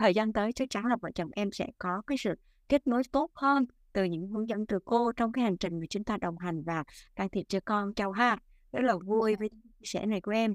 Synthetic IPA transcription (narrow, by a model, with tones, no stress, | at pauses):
t̪ʰəː˨˩jzaː˧nt̪əː˨˦jt͡ɕɨ˨˦t͡ɕaː˨˦nləː˨˩va̰ː˧˩t͡ɕə˨˩wŋ͡mʔɛ˧msɛ̰˧˥kɔ˨˦kaː˨˦jsɨ̰˧˨ | ke˦˥t̚no˨˦jt̪o˦˥t̚həː˧n | t̪ɨ˨˩ɲɨ̰˧˥ŋhɨ˨˦əŋzə̰˧˨nt̪ɨ˧˩ko˧t͡ɕɔ˧wŋ͡mkaː˨˦jha˨˩jŋ̟t͡ɕï˨˩ŋ̟ŋɨ˨˩t͡ɕɨ˧˦nt̪ʰaː˧˩ɗə˨˩wŋ͡mɦa˨˩jŋ̟vaː˨˩kaː˧˩ŋt̪ʰi˨˩ət̚t͡ɕɔ˧˩kɔ˧nt͡ɕa˧wɦaː˦˥t̚ | zə˦˧˥t̚lə˨˩vu˧əjvəː˨˦jt̪ʰa˨˦t͡ɕi˧əsɛ̰˧˩na˨˩jku˧˩ʔɛ˧m